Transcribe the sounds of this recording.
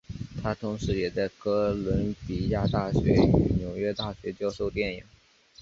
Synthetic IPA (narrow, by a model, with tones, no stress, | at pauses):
t̪ʰa˥t̪ʰʊ˧˥ŋʂɻ̩˧˥jɛ˨˩t͡sa˥˩ɪkɤ˥lwə˧˥npi˨˩ja˥˧t̪a˥˩ɕɥɛ̰˧˥y̰˨˩njo˧˥ʊɥɛ˥t̪a˥˩ɕɥɛ˧˥t͡ɕjɑ˥˧ʊʂo˥˧ʊt̪jɛ˥˩ni˨˩˦